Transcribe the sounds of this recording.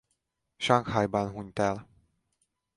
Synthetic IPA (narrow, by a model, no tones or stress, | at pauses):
ʃɑŋkhɑjbɒnɦuɲt̪ɛl